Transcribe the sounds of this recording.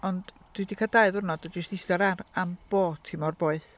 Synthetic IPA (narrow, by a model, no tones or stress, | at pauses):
ɔnd | d̥idikʰad̥aɨðʊrnɔdɔd͡ʒəstɪsdaɾaramb̥oːtʰimɔrboːɨθ